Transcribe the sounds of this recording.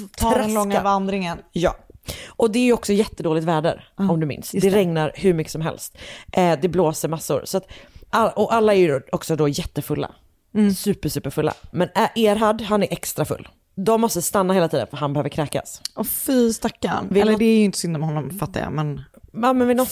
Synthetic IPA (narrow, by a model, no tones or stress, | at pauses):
t̪ʰɑɾɛlɔŋːavand̪ɾɪŋənjɑ̰ːʔɔd̪ɛæɾjɵɔksɔjɛt̪ːəd̪oːlɪt̪væːɖə̰ɾɔmd̪ɵmɪ̰nsd̪ɛɾɛŋnaɾhɵɾmʏkːə̥sɔmɦɛ̰lst̪ʔd̪ɛbloːsəɾmasːʊ̰ɾsɔat̪ʔaɔʔalːaɛɾjɔksɔd̪oːjɛt̪ːəfɵlːa̰ | sʉ̟ːpəʂʉ̟ːpəɾfɵlːa̰mɛnæʔeːɾɦad̪ɦanæɾʔɛkst̪ɾafɵ̰lː | d̪ɔmːɔst̪əst̪anːaheːlat̪ʰiːd̪ə̰nfœɾɦanbɛhøːvəɾkʰɾɛːka̰sɔfist̪akːanvɪɛlːɖɛæjʏɪnt̪ə̥sʏnd̪amɛhɔnːɔmfat̪ːa̰jɑ̰ːmɛn | amɛnvɪlɔ